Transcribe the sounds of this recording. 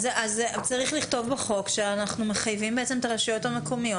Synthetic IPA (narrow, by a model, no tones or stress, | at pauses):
zʔazt͡saʁiχliχt̪o̞vbeχo̞kʃeanaχnume̞χajvimbeet͡se̞mt̪aʁaʃujo̞tameko̞mijo̞